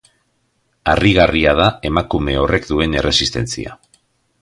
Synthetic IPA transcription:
ariɣariað̞ae̞makume̞o̞re̞kd̪ue̞ne̞re̞sist̪e̞nt͡sḭa̰

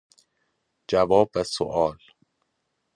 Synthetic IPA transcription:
d͡ʒævɒːbvæsoʔɒːl

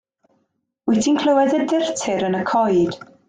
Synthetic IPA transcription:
wɛtʰinkʰl̥ˠəwɛðədɪrtʰɪɾənəkʰɔjd̥

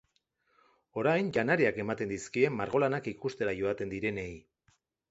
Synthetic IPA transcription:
o̞ɾajnʝanaɾiake̞mat̪e̞nd̪iskie̞mːaɾɣ̞o̞lanakikust̪e̞ɾaʝo̞at̪e̞nd̪iɾe̞ne̞j

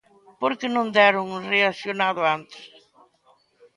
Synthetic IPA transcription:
poɾkɪnõnd̪ɛɾʊŋreasjonaðʊant̪ɪ̥s

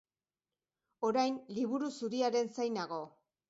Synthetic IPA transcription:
o̞ɾajnliβuɾusuɾiaɾe̞nsajnaɣo̞

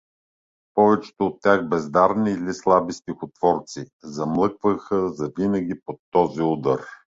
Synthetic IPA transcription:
pɔvɛt͡ʃɛ̥t̪oot̪ːʲaxbɛzd̪aɾniːlislˠabist̪ixot̪v̥ɔɾt̪si | zɐmlˠɤkvəxəzɐvinəɡʲipot̪ːɔziud̪əɾ

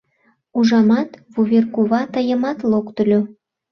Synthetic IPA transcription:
uʒɑmɑt̪βuβʲerkuβɑt̪əjə̆mɑt̪lokt̪əlʲø

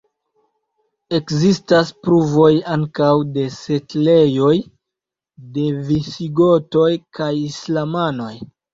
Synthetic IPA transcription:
e̞kzistaspɾuvo̞jaŋkawde̞se̞tle̞jo̞j | de̞visiɡo̞to̞jkajislamano̞j

